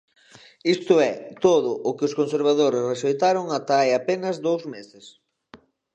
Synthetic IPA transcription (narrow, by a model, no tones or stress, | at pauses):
ist̪ʊɛt̪oðʊʔʊkɪʊskonseɾβaðoɾɪsreʃejt̪aɾoŋat̪ajapenɐzd̪owzmesɪs